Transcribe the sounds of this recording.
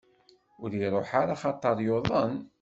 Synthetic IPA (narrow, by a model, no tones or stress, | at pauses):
ʊɾiɾˤoħaɾaχɑt̪ˤːəɾˤjoðˤən